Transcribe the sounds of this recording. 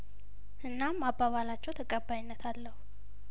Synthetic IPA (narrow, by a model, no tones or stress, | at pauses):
ʔɨnːamːabːaβalat͡ʃːɛwt̪ʰəkʼəbːajnːət̪ʰalːəhu